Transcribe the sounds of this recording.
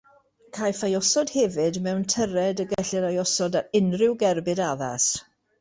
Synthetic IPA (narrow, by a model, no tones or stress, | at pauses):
kʰajfajɔsɔd̥hɛvɨdmɛwntʰəɾɛdəɡɛɬɨɾajɔsɔdaɾɪnrɪwɡɛrbɨdaða̰s